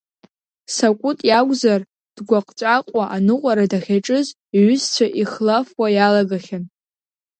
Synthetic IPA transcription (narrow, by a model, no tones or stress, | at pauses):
sakʷʼʊtʼjaɡʷzar | d̥ɡʷaqʼt͡ʃʷʼaqʷʼaʔanɨqʷʼaɾadaχʲaʈ͡ʂʼɨz | ɥʏzt͡ɕʷʰaʔiχlafwajalaɡaχʲan